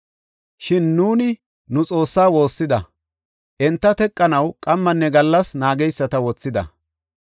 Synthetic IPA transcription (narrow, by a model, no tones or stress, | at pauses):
ʃɪnːuːnɪ | nʊt͡sʼo̞ːsːaːwo̞ːsːɪd̪ɐ | ʔɛnt̪ːɐt̪ɛkʼːɐnɐwkʼɐmːɐnːɛɡɐlːɐsnaːɡɛjsːɐt̪ɐwɔt͡sːɪd̪ɐ̰